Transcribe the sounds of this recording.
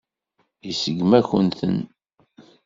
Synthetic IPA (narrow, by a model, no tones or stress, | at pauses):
isəɡmæçənθə̰n